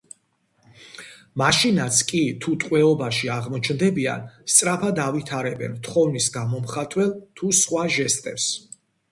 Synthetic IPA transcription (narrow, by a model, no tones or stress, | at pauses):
maʃinat̪sʰkʼit̪ʰut̪ʼqʼwɛɔbaʃiaʁmɔt͡ʃʰnd̪ɛbia̰nst̪sʼɾapʰad̪avit̪ʰaɾɛbɛ̰nt̪ʰχɔvnisɡamɔmχat̪ʼwɛlˠt̪ʰusχwaʒɛst̪ʼɛps